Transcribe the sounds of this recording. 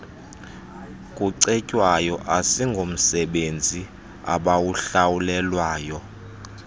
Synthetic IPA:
kʼuǀɛcʼwajɔʔasiŋɡʱom̩sɛɓend͡zʱi | a̰ɓawuɬawulɛlwaːjɔ

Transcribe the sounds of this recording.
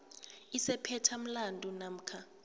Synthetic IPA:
isɛpʰɛtʰam̩landʱʼunam̩kʰa

